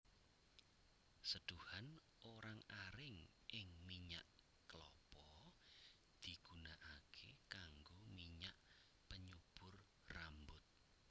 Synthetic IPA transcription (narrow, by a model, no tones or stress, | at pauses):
səd̪̥uhan | ʔoɾaŋaɾɪŋ | ʔɪŋmiɲaʔ | klɔ̰pɔ | d̪̥iɡ̥unaʔakʰḛkaŋɡomiɲaʔ | pəɲub̥ʊr | rambʊt̪̚